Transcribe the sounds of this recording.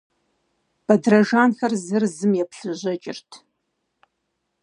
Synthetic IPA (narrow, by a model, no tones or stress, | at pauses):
b̥ɐdrɐʒaːnxɐrzɨrzɨmjɛpɬɨʑɐt͡ʃʼɪ̰rtʰ